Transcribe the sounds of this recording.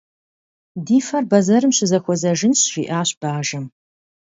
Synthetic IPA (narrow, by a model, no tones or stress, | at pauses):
diːfɐrbɐzɐɾɨmɕɪzɐxʷɔzɐʒɪnɕʒ̥iːʔaːɕb̥aːʒɐm